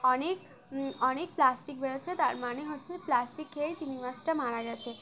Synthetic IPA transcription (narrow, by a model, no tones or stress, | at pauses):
ənek | ɔñek̚plasʈik̚bʱeɭɔt͡ʃʰet̪aɾmañeɦot͡ʃʰeplasʈikʰːeɭit̪imimasʈəmaɭaɾjat͡ɕʰe